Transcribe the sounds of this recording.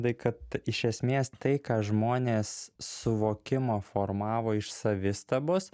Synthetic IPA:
d̪ɐɪkɐt̪ɪʃʲɛsʲmʲeːst̪ɐɪkɑːʒmoːnʲeːsːʊʋoːkʲɪmoːfoːɾmɑːʋoːɪʃsɐʋʲɪst̪ɐboːs

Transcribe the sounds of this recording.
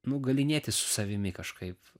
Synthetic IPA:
nʊɡɐlʲɪnʲeːt̪ʲɪssʊ̥sɐʋʲɪmʲɪkɐʃkɐɪp

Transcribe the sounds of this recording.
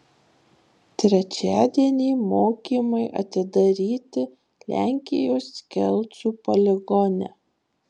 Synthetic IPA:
t̪ʲɾʲɛt͡ʃʲæːd̪ʲiɛnʲiːmoːkʲiːmɐɪʔɐ̰t̪ʲɪd̪ɐɾʲiːt̪ʲɪ | lʲæˑŋʲkʲɪjoːskʲɛlʲˠt̪suːpɐlʲɛɡɔnʲɛ̰

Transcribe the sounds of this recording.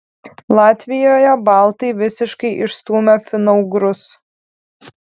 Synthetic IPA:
lˠɑːt̪ʲʋʲɪjoːjɛbɐlˠt̪ɐɪʋʲɪsʲɪʃkɐɪʔɪʃst̪uːmʲɛfʲɪnɔʊɡɾʊs

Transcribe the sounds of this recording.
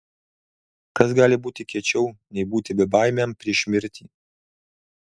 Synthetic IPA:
kɐsɡɑːlʲɪbuːt̪ʲɪkʲiɛt͡ʃʲɛʊnʲɛɪbuːt̪ʲɪbʲɛbɑˑɪmʲɛmpʲɾʲiɛʃʲmʲɪɾʲt̪ʲḭː

